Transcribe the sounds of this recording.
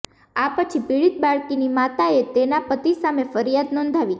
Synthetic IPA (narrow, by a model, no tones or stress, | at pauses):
apət͡ʃʰipiɭit̪̚baɭkinimat̪aet̪enapət̪isamefəɾjad̪nɔnd̪ʱaʋi